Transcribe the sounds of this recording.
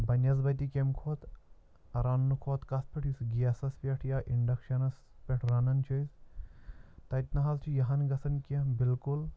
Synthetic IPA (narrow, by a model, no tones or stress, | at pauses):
bɐnʲjɐzbɐt̪ikʲemkʰoːt̪ | ɐɾɐnːukʰoːt̪kɐs̚pʲeʈʰjusɡiɐsɐspʲeʈʰjaʔiɳɖɐkʃɐnɐs | pʲeʈʰɾɐnɐnt͡ʃʰojs | t̪ɐit̪nɐɦɐzt͡ʃʰijɐɦɐnɡɐsɐnkɐbilkul